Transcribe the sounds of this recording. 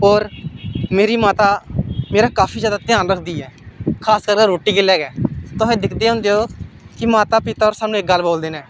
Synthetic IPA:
oːɾmeːɾiːmaːt̪aːmeːɾaːkaːpʰiːzjaːd̪aːt̪ɪãːnɾəkʰd̪iːɛːkʰaːskəɾkeːɾoːʈiːɡɪlːɛːɡɛːt̪ʊsẽːd̪ɪkʰd̪eːɦʊ̃ːnd̪eːɦoː | kɪmaːt̪aːpɪt̪aːoːɾsaːnũɪk̚ɡəlːboːld̪eːnɛː

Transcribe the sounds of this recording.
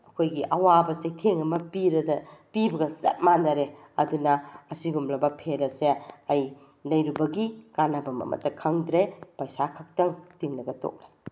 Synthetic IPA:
ɐkʰojɡiʔɐwabɐsetʰeŋɐmɐpiɾɐdɐpibɐɡɐsɐ̰t̚manɐɾe | ɐdunɐːsiɡumlɐbɐpʰeɾɐseɐj | nɐjɾubɐɡikanɐbɐmɐ̰mʔɐ̰tːɐkʰɐŋdɾepɐjsakʰɐk̚tɐŋtiŋlɐɡɐto̰k̚le

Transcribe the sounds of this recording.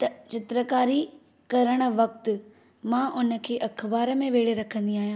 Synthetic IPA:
t̪ɐt͡ɕɪt̪ɾəkaːɾi | kɐɾəɽ̃ə̆ʋɐk̚t̪̆ | mãʔʊnə̆kʰeːʔɐkʰbaːɾə̆mẽʋeːɽeɾɐkʰə̃nd̪iaːɦijãː

